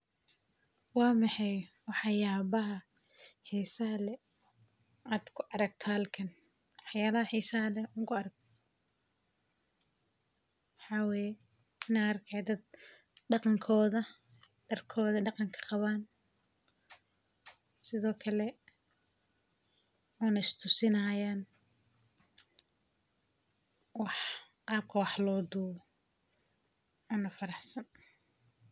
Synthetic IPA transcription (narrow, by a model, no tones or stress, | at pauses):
wɑːmɑħɑjwɑħɑjaːβɐɦɐ | ħijsɐɦɐlɛ | ʔaːd̪kʰʊʔɑɾɐɡ̚t̪ʰɔhɐlkʰɐn | wɑħjaːlɐhɐħiːsɐɦɐlɛʊŋkʰʊɑɾɐɡ̚ | wħɑːwɛːjɛ | ɪnaːɐrkʰad̪ɐd̪̚ | ɖɑqɑŋkʰɔːðɐ | ɖ̥ɐrkʰɔːðɐɖɑqɑŋkʰɐ̥qɑβaːn | sɪðɔːkʰɐlɛ | ɔːnɐɪst̪ʰʊsɪnaːjaːn | wɑħqɑːb̚kʰɐwɑħlɔːd̪uːɔ | ɔːnɐfɐɾɑħsɐn